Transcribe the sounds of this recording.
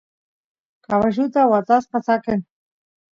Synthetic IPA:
kaβaʒut̪awat͡s̪aspat͡saken

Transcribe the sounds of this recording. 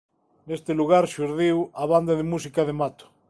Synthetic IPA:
nest̪eluɣ̞aɾʃuɾðiwaβand̪aðemusikaðemat̪o̥

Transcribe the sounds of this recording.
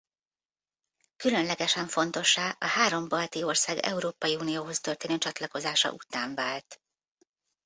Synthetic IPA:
kylø̞nlɛɡɛʃɛɱfo̞nt̪o̞ʃːaːʔɒhaːɾo̞mbɒlt̪io̞rsaːɡɛ̰uɾoːpɒjiunijoːɦo̞st̪ørt̪eːnøːt͡ʃɒt̪lɒko̞zaːʃɒ̰ʔut̪aːɱvaːlt̪

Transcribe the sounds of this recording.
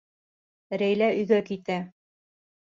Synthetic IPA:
ɾæjlæɵ̆jɡækit̪æ

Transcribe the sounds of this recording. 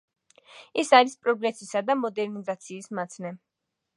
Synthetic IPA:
ɛsaɾispʼɾɔɡɾɛsisad̪amɔd̪ɛɾnizat̪sʰiːsmat̪sʰnɛ

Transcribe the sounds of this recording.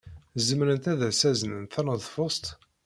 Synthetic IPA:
zəmɾənt̪æðæsæzənənθænəðˤfost̪

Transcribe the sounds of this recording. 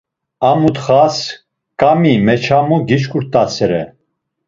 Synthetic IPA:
amut̪χas | kʼamimɛt͡ʃʰamuɡit͡ʃkʰuɾt̪ʼasɛɾɛ

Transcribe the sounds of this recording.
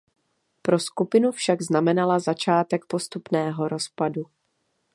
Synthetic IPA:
pɾo̞skupɪnufʃaɡznamɛnalazat͡ʃaːt̪ɛkpo̞st̪upnɛːɦo̞ɾo̞spadu

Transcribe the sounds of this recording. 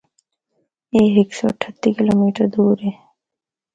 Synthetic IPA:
eːɦeːksɔ̰ːɐʈʰət̪ːikɪloːmiːʈəɾd̪uːɾɦeː

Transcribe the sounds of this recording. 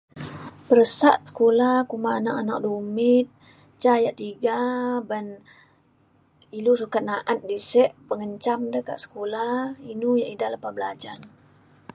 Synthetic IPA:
pəɾəsaʔ̪̚sə̥kolahkumaːnakanak̚dumɪt̪̚ | t͡ʃajaʔt̪iɡaban | ilus̬ukat̪̚naʔat̪̚disɛʔpəŋəɲt͡ʃamdəka̰ʔsə̥kolahinujaʔidaləpahbəlad͡ʒan

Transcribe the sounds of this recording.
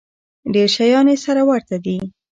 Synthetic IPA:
ɖeɾʃajɑnesaɾawaɾt̪ad̪i

